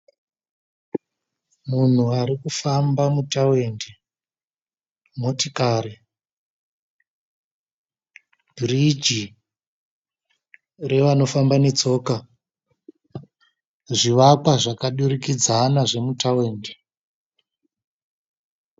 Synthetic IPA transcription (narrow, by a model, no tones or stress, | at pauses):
mun̤uaɾikufambamutawende | motikaːɾe | bʱirid͡ʒi | re̞ʋano̞fambanet͡so̞ːka | ʐiʋakwaʐakaɗurikid͡zanaʐe̞mutawe̞ːnde